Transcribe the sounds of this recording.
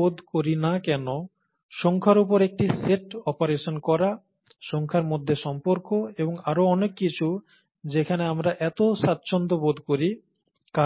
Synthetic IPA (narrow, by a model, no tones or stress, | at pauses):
od̪ʱkoɾinakɛno | ʃɔŋkʰaɾupoɾek̚ʈiseʈɔpaɾeʃonkɔɾa | ʃɔŋkʰaɾmod̪ʱːeʃɔmpoɾkoeboŋaɾoɔnekːit͡ɕʰu | d͡ʑekʰaneamɾaʔɛt̪oʃat̪ːɕʰond̪obod̪ʱkoɾi | ka